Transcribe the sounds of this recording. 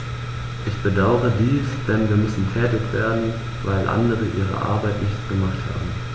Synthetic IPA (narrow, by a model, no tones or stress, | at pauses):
ʔɪçb̥ədaʊʁədiːsd̥ɛnviːɐmʏsn̩tʰɛːtɪçv̥eːɐdn̩ | vaɪlʔa̰ndəʁəʔiːʁ̞ə̰ʔa̰ɐbaɪtnɪçtsɡ̥əmaχtha̰ːbm̩